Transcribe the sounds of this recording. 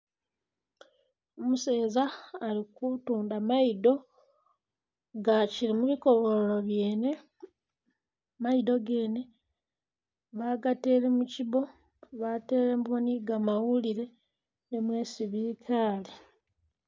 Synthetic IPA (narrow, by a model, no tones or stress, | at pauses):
omuse̞ːzaːlikutuːndamaido̞ | ɡaciɾimuβiko̞βo̞loɾoβje̞ːne̞ | maido̞ɡe̞ːne̞ | βaɡate̞ːɾe̞muciβo̞ | βate̞ːɾemwoniɡamawuliɾe̞ | nemwe̞ːsiβikʰaːli